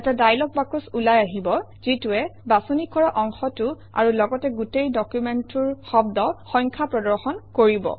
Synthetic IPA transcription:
ɛtadajlɔk̚bakusulajaɦibɔ | zituɛbasunikʰɔɹaʔɔŋxɔtu | a̰ɹulɔɡɔtɛɡutejdɔkjumɛntuɹxɔbdɔxɔjŋkʰapɹɔdɔɹxɔnkoɹibɔ̰

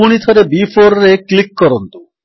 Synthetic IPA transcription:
uɽ̃it̪ʰɔɾebifʰoɾɾeklikːɔɾɔnt̪u

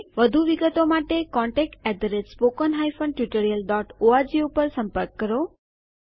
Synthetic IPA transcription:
ʋəd̪ʱuʋiɡət̪omaʈekɔ̃ɳʈek̚ʈɛd̪əɾetspokənɦajfəɳɖ̚ʈjuʈəɾijəlɖɔʈoaɾd͡ʒiupəɾsə̃mpəɾkːəɾo

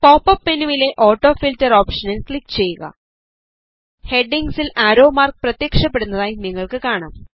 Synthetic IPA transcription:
poːpːɐpːenuʋile̞ʔo̞ːʈːo̞ːfiltɐroːpʂɐnilkɭikːt͡ɕe̞jːuɣɐ̰ | he̞ɖiŋɡsilaːɾo̞ːmaːrk̚prɐt̪jekʂɐpːeɽunːɐðaːjiniŋːɐɭkɨkaːɳa̰ːm

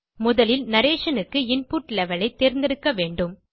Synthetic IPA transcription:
mʊðɐlɪlnɐɾeːʂɐnɯkːɯɪnpuːʈlɛʋɐlɐɪt̪ːeːɾnd̪ɪɾɯkːɐʋeːɳɖɯm

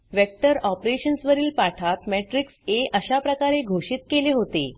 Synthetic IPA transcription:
ʋek̚ʈəɾɔpɾeɕənsʋəɾiːlpaʈʰat̪mɛʈɾikseʔəɕapɾəkaɾeɡʱoɕiːt̪keleɦot̪e

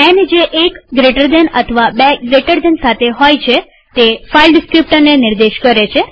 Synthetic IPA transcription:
ɛnd͡ʒeʔekɡɾeʈəɾd̪enə̰t̪ʰəʋabeɡɾeʈəɾd̪ɛnsat̪ʰeɦojt͡ʃʰe | t̪efailɖɪskɾip̚ʈəɾnenɪɾd̪eʃkəɾet͡ʃʰe

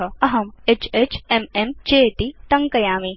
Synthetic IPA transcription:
ɐɐɦɐmet͡ʃet͡ʃememt͡ʃeːt̪it̪ɐŋkɐjaːmi

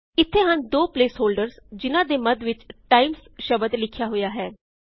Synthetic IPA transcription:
ɪt̪ʰːeːɦənd̪oːpleːsɦoːlɖəɾsd͡ʒɪnãːd̪eːməd̪ʋɪt͡ʃʈaːimsʃəbəd̪lɪkʰjaːɦʊjaːɦɛː

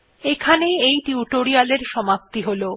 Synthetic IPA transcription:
ekʰaneejʈiuʈoɾialeɾʃɔmap̚t̪iɦolo

